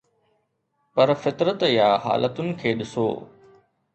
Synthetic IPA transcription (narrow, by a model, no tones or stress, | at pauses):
pɐɾfɪt̪ɾət̪jaːɦa̰ːlʔət̪ʊnɪ̆kʰeːɗɪso̰ː